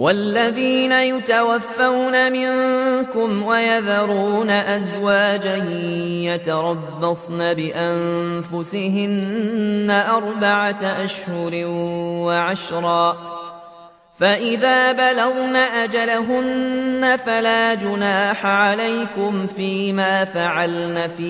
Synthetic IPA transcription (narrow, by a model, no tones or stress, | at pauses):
walːaðiːnajʊt̪awafːawnamɪŋkʊmwajaðɑɾˤuːnaʔazwaːd͡ʒahjat̪ɑɾˤɑbːɑsˤnaːbɪʔanfʊsɪɦɪnː | aʔɑɾˤbaʕaʔaʃhʊɾwaʕaʃɾˤɑː | faʔɪðaːbalaɣnaːʔad͡ʒalaɦʊnːafalaːd͡ʒʊnaːħaʕalajkʊmfiːmaːfaʕalnaːfiː